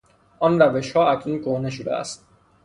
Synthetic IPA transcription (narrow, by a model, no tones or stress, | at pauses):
ʔɒːnræveʃhɒːæcʰnunkoneʃ̬od̪ḛæ̰st̪̚